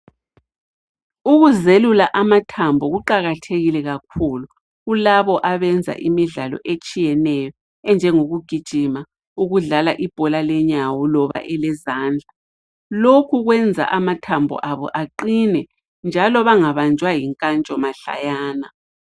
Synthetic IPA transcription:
uɣuzelulaʔamatʰambʱɔɣuǃaɣatʰeɣilɛɣakʰulu | ɣulaβɔʔaβɛnd͡zʱa̰ʔimiɮalɔ̰ʔet͡ʃʼijɛnɛjɔ | ɛnd͡ʒʱɛŋoɣuɡ̥ʱid̥ʒ̥ʱima | uɣuɮalaʔib̥ʱɔlalɛɲawɔlɔβa̰ʔɛlɛzaːnd͡ɮʱa | lokʰuɣwɛnd͡zʱa̰ʔamatʰambʱɔ̰ʔaβɔ̰ʔaǃinɛ | nd͡ʒʱalɔβaŋaβand͡ʒʱwajiŋkʼant͡ʃʼɔmaɬa̰jaːna

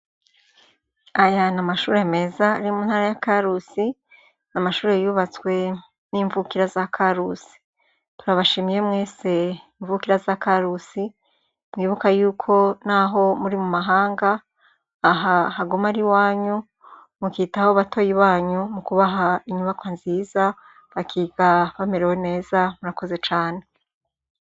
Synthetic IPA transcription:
ajanamaʃuːɾe̞me̞ːzaːɾimuːnhaːɾajakaɾusi | namaʃuːɾejuβat͡swe̞ | niːɱvukiɾazakʰaɾusi̥ | tuɾaβaʃimije̞mŋe̞ːse̞iɱvukiɾazakaɾusi | mŋiːβukajuːkʰo̞naɦo̞muɾimumaɦaːŋɡaː | ɦahaɡumaɾiwaːɲu | mukiːtahoβatʰo̞jiβaːɲumukuβaɦaiɲuβakwanziːza | βakʰiːɡ̥aβameɾewe̞ne̞ːzamuɾako̞ze̞t͡ʃaːne̞

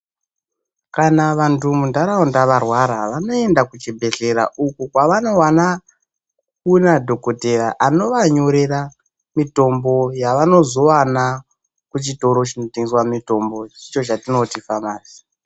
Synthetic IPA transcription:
kanaʋantumundaɾaundaʋarwaɾaʋano̞e̞ndakut͡ʃibʱe̞ɮe̞ɾa̰ukukwaʋano̞wana | kunadʱo̞koteraʔano̞ʋaɲoɾeɾa | mito̞mbo̞jaʋano̞zo̞wana | kut͡ʃito̞ɾo̞t͡ʃinotiŋɡiswamito̞mbo̞it͡ʃo̞t͡ʃatino̞tifamaːzi

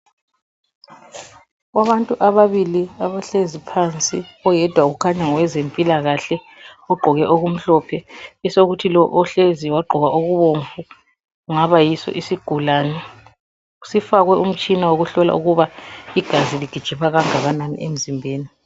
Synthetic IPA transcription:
ɣwaβantʼuʔaβaβiliaβaɬezipʰant͡sʼiɔjɛd̥ʱwauɣukʰaɲaŋɔwɛzempʼilaɣaɬɛ | ɔɡ͡ǃʱɔɣɛʔoɣum̩ɬɔpʰɛɛsoɣutʰilɔʔɔɬeziwaɡ͡ǃʱɔɣaʔoɣuβoɱfu | uŋaβajisɔ̰ʔisiɡ̥ʱulaːnɛ | usifaɣwɛum̩t͡ʃʼinawoɣuɬɔla̰ʔuɣuβaiɡ̥ʱaziliɡ̥ʱid̥ʒ̥ʱipʰaɣaŋaɣananḭʔem̩zimbʱeːni

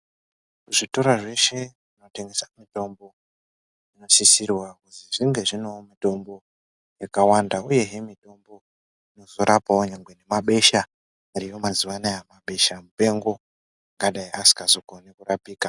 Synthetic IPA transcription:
kuʐito̞ɾaʐe̞ʃe̞ʐino̞te̞ŋɡesamito̞mbo̞ | ino̞sisirwakuziʐiŋɡe̞ʐino̞mito̞mbo̞ | jakawandauje̞ɦemito̞mbo̞ | ino̞zo̞ɾapaoɲaŋɡwe̞ne̞maɓe̞ʃa | aɾijo̞maziwanajamaɓe̞ʃamupe̞ŋɡo̞ | aŋɡaɗajiasi̥kazokonekurapiːka

